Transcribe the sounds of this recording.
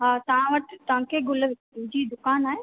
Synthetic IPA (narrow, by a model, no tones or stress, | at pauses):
ɦaːt̪ɐʋ̤ãʋɐʈt̪ɐʋ̤ãkʰeɡʊləʋ | ɪd͡ʑiːd̪ʊkaːnaːɦe